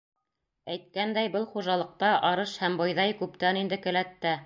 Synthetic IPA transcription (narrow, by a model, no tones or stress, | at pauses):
æjt̪̚kænd̪æjbɤlˠχuʒɑlˠɤ̆q̚t̪ɑʔɑɾɤʃhæmbojðɑjkʉpt̪ænind̪ɘkɘ̆læt̪ːæ